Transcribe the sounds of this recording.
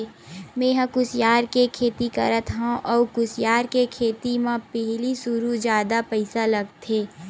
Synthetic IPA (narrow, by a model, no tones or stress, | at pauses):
meːɦəkʊsjaːɾkekʰeːt̪ikɐɾət̪ɦãʔɔːkʊsjaːɾkekʰeːt̪imãpɛɦlisʊɾud͡ʒjaːd̪apɐɪsalɐɡt̪ʰeː